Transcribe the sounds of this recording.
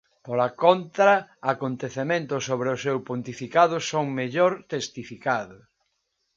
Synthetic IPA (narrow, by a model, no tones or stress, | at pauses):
polakont̪ɾɐakont̪eθemẽnt̪ʊsoβɾeʊsewpont̪ifikaðʊsoŋmeʎoɾt̪est̪ifikaðʊ